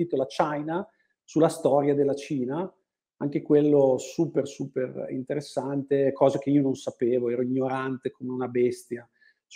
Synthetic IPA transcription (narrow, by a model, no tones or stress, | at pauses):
iːt̪olat͡ʃajna | sulːast̪ɔːɾjad̪elːat͡ʃiːna | aŋk̟ekwelːosuːpersuːperḭnt̪eɾesːant̪ekʰɔːzak̟eiːononsapeːvoɛːɾoiɲːoɾant̪ekomeunabɛst̪ja | t͡ʃ